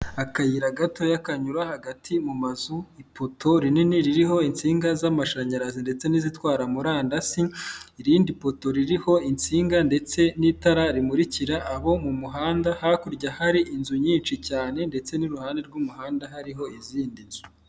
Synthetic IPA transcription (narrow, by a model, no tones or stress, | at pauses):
akajiɾaɡato̞jakaɲuɾahaɡatʰimumazuipʰo̞tʰo̞ɾininiɾiɾiɦo̞int͡siːŋɡazamaʃaɲaɾazinde̞t͡se̞nizitwaːɾamuɾaːndasiiɾiːndipo̞to̞ɾiɾiho̞int͡siːŋɡande̞t͡se̞nitaɾaɾimuɾiciɾaʔːβo̞mumuɦaːndahakuɾɟahaɾiʔinzuɲiːnt͡ʃicaːne̞nde̞t͡se̞niɾuhaːnde̞ɾɡumuhaːndaɦaɾiɦo̞iziːndimi